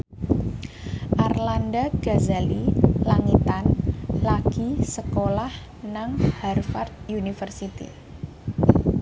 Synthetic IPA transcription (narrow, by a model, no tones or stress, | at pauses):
ʔarlandaɡ̥azalilaŋit̪anlakisəkolah | naŋharfart̪̚junifərsit̪ḭ